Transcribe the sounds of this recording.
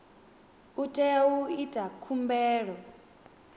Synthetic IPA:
utʼɛauitʼakʰumbɛːɺɔ

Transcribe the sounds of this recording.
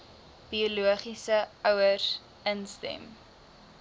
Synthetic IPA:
b̥iuluəχisəœwərs | ənstɛ̰m

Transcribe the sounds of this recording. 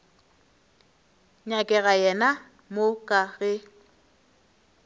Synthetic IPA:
ɲakʼɛɣajɛna | mokʼaɣɪ

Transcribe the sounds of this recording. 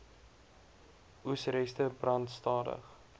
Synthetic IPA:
ʔusɾɛstəbrɐntstɑːdə̰χ

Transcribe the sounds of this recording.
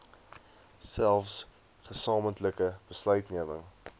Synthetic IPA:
sælˠfs | χəsɑːməntləkəb̥əslœɥtniəmə̰ŋ

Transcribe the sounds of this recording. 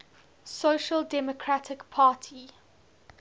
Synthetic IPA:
soːʃəldɛmɔkʰɹatʰɪkpʰaːtʰi

